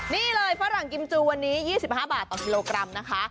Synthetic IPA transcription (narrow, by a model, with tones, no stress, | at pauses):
niː˥˩lɤː˧jfa˦˥ɾa˨˩ŋki˧mt͡ɕuː˧wa˧nːiː˦˥jiː˥˩si˨˩p̚haː˥˩baː˨˩t̪ːɔː˨˩ki˧loː˧kɾa˧mna˦˥kʰa˦˥ʔ